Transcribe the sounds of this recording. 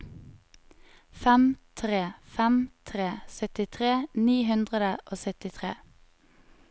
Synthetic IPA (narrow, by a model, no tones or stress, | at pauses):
fɛmt̪ʰʁeːfɛmt̪ʰʁeːsœt̪ɪt̪ʰʁeːniːɦʉnd̪ʁəd̪əʔoːsœt̪ɪt̪ʰʁḛː